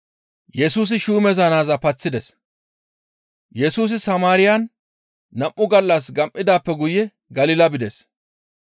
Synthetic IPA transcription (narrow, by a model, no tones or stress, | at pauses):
jɛsuːs̬ɪʃuːmɛzɐnaːzɐpɐt͡sːɪd̪ɛs | jɛsuːs̬ɪsɐmaːɾɪjanː | ɐmʔːʊɡɐlːɐsɡɐmʔɪd̪aːpːɛɡʊjɛ | ɡɐlɪːlɐbɪd̪ɛs